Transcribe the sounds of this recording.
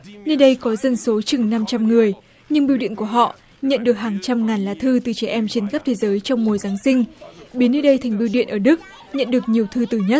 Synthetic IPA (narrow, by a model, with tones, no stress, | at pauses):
nə˧ɗə˧jkɔ˨˦zə˧˩nso˨˦t͡ɕɨ˨˩ŋna˧mt͡ɕa˧mŋɨ˨˩əj | ɲɨ˧ŋɓi˧wɗḭ˧˨ənku˧˩əɦɔ̰˧˨ | ɲə̰˧˨nɗɨ˨˩ək̚haː˨˩ŋt͡ɕa˧mŋaː˨˩nlaː˨˧t̪ʰɨ˧t̪ɨ˨˩t͡ɕɛ˧˩ʔɛ˧mt͡ɕe˧nxaː˦˥p̚t̪ʰe˨˦zəː˨˦jt͡ɕɔ˧wŋ͡mmu˨˩əjzaː˨˦ŋsï˧ŋ̟ɓi˨˦ənːə˧ɗə˧jt̪ʰa˨˩jŋ̟ɓi˧wɗḭ˧˨ənʔəː˧˩ɗɨ˦˥k̚ | ɲə̰˧˨nɗɨ˨˩ək̚ɲi˨˩əwt̪ʰɨ˧t̪ɨ˨˩ɲə˦˥t̚